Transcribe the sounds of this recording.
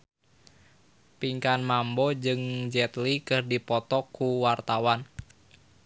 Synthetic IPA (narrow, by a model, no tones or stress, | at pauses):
piŋkanmambɔd͡ʒɨŋd͡ʒɛt̪likɨrdipɔt̪ɔkːuwart̪awan